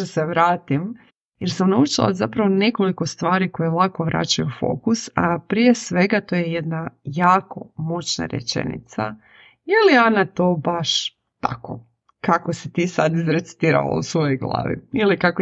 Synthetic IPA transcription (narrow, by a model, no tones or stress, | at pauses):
seʋɾaːt̪im | jeɾsamnaut͡ʃilˠa̰zapɾaʋone̞ko̞liko̞st̪ʋaːɾiko̞jelˠako̞ʋɾʔa̰t͡ɕajufo̞̰kusapɾije̞sʋe̞ɡat̪ojeje̞d̪najaːko̞mot͡ʃna̰ɾḛt͡ʃḛnḭt̪sa̰ | jilianat̪o̞ːbaʃ | t̪a̰ko̰ | kakosit̪iːsad̪izɾe̞t̪si̥t̪iːɾa̰la̰ṵsʋo̞jojɡlˠa̰ːʋḭilikako